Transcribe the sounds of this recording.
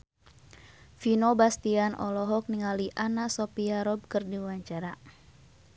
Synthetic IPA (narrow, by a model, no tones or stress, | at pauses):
finɔbast̪ianʔɔ̰lɔɦɔk̚niŋaliʔanasɔpiaɾɔb̚kɨrdiwaɲt͡ʃaɾa